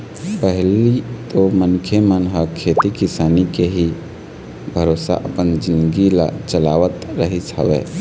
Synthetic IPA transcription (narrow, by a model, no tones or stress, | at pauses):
pəɦlit̪omənkʰemənɦəkʰet̪ikisanikeɦi | bʱəɾosa̰ʔəpənd͡ʒinɡila̰t͡ʃəlaʋət̪ɾəɦit͡ʃʰə̰bɛ̰